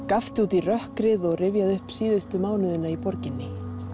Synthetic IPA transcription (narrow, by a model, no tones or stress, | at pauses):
kaft̪ɪuːt̪irœhkɾɪðɔɣrɪvjaðʏhpsiːðʏst̪ʏmaːwnʏðɪnaipɔɾcɪnːɪ